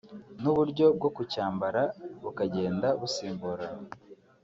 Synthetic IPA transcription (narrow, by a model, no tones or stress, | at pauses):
nuβuɾɟo̞b̚ɡo̞kucaːmbaɾaβukaɟe̞ːndaβusiːmbuɾa